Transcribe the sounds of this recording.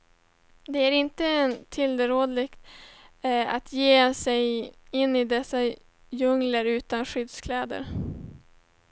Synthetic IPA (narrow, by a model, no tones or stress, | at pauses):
d̪ɛæɾɪnt̪əɛnt̪ʰɪld̪əɾoːd̪lɪɡt̪ | at̪ʰjeːsɛjɪnːɪd̪ɛsːa | jɵŋləɾʉ̟ːt̪anɧʏd̪skʰlɛːd̪ə̰ɾ